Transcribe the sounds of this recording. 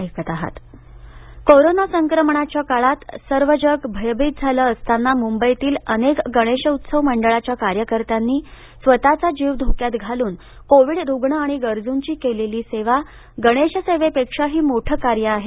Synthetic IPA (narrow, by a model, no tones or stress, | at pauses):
kət̪aɦa̰t̪ | koɾonasəŋkɾəmɳ̃at͡ɕjakaɭat̪səɾʋəd͡ʑəkbʱəjbiːt̪̚d͡zʱaləəst̪ʰanːamumbəjt̪iːlənekɡəɽ̃eɕəut̪səʋməɳɖəɭat͡ɕjakaɾjəkəɾt̪anːiː | sʋət̪at͡sad͡ʑiːʋd̪ʱokjat̪ɡʱaluːn | koʋiɽɾuɡɳəaɽ̃iɡəɾd͡zuɲt͡ɕiːkeleliːseʋa | ɡəɽ̃eɕəseʋepekʂaɦiːmoʈʰəkaɾjəaɦe